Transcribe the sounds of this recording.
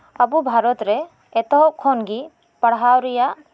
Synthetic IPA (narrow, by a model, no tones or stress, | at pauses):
abubʱaɾɔt̪ɾɛ | ɛt̪ɔɦɔkʰːɔnɡi | paɽɦawɾija